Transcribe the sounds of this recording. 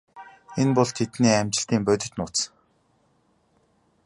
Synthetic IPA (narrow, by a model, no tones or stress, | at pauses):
enpɔɮt̪ʰet̪niːæmt͡ɕɪ̆ɬt̪iːmpœt̪̬ʲɪ̆t͡ɕ̪nʊːt̪sə̥̆